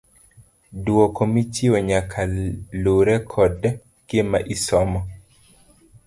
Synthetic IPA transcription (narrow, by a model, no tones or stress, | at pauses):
duɔkɔmit͡ʃiɔɲakʰaloɾɛkʰɔd | kjema̰ʔisɔmɔ